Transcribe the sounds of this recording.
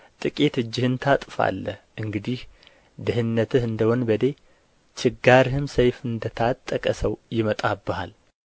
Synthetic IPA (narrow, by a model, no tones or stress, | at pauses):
t̪ʼɨkʼit̪ɨd͡ʒːɪhɨnt̪ʰat̪ʼfa̰lːəʔɨŋɡɨd̪ih | d̪ɨɦɨnːət̪ʰɨhɨnd̪əwonbəd̪e̞ | t͡ʃʰɪɡːaɾhɨmsəjfɨnd̪ət̪ʰat̪ʼːəkʼəsəwjɪmət̪ʼabːəhal